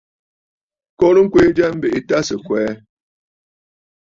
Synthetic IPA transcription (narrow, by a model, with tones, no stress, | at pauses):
kɔ˦ɾə˦ŋ̩˦kwe˦d͡ʒɛ˦m̩˦be˨i˨ta˦sə˨kwɛː˨˦